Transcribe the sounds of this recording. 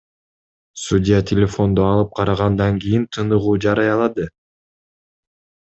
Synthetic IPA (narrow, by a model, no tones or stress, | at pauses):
sudʲɪjat̪ʲʰɪlʲefo̞nd̪oɑlˠɯp̚qʰɑɾɑʁɑnd̪ɑŋɡijint̪ʰɯnɯʁuːd͡ʒɑɾɑjɑlˠɑd̪ɯ